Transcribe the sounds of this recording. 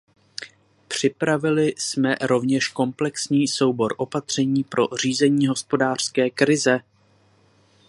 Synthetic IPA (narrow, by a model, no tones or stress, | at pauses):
pr̝̥ɪpɾavɪlɪsmɛɾo̞vɲɛʃko̞mplɛksɲiːso̞wbo̞ɾʔo̞pat̪r̝̥ɛɲiːpɾʔo̞r̝iːzɛɲiːɦo̞spo̞daːr̝̥skɛːkɾɪzɛ